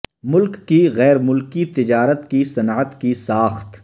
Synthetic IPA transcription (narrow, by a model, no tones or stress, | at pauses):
mʊlkːiɣɛːɾmʊlkit̪ɪd͡ʒaːɾət̪kisɐnːət̪kisaːxt̪